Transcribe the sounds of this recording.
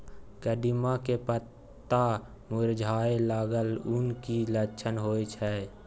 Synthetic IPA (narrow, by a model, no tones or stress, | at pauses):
kəd̪imakepət̪ː | a | mʊɾd͡ʒʱaːelaːɡəlʊnkilət͡ʃʰənɦoːjt͡ʃʰɛ